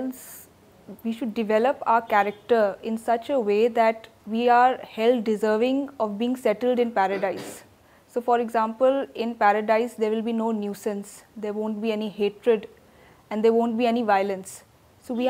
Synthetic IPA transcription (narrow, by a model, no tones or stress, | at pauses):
ls | ʋiːʃʊɖːɪʋɛləpa̰ʊəkæɾək̚ʈəɾɪ̃nsʌt͡ʃəʋeːd̪æʈ | ʋiːaːɾhɛlɖɪzəːʋɪ̃ŋɔʋbiːɪ̃ŋsɛʈəlɖɪ̃npæɾəɖaɪsː | oːfɔːɾɪɡzãːmpəlɪ̃npæɾəɖaɪsd̪eːɾʋɪlbiːnoːnjuːsə̃nsd̪eːɾʋõːɳʈ̚biːɛniheːʈɾəɖ | ɛ̃ɳɖd̪eːɾʋõːɳʈ̚biːɛniʋaɪlə̃nsː | oːʋiː